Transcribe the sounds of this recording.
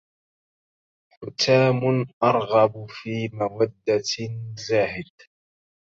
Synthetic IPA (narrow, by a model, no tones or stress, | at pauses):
ħʊt̪aːmʊnʔɑɾˤɣɑbfiːmawad̪ːazaːhɪd̪̚